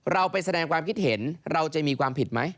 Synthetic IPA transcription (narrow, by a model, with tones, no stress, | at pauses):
ɾa˧wpa˧jsa˧dɛː˧ŋkwaː˧mkʰi˦˥t̪̚he˩˦nɾa˧wt͡ɕa˨˩miː˧kʰwaː˧mpʰi˨˩t̪̚ma˦˥j